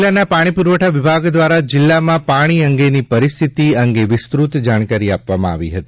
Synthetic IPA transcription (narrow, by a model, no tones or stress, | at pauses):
lːanapaɽ̃ipuɾʋəʈʰaʋɪbʱaɡd̪ʋaɾad͡ʒɪlːamãpaɽ̃iəŋɡenipəɾɪst̪ʰit̪iəŋɡeʋɪst̪ɾut̪d͡ʒaɽ̃kaɾiapʋamã̰a̰ʋḭɦət̪i